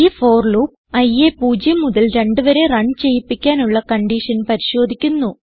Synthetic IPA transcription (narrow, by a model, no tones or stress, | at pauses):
ifo̞ːrɭuːp | ɐjepuːd͡ʑjɐmuðɐlɾe̞ɳɖɨʋɐɾe̞rɐɳt͡ɕe̞jipːikʲːaːnuɭːɐkɐɳɖiʂɐnpɐɾiɕo̞ːd̪ʱikʲːunːu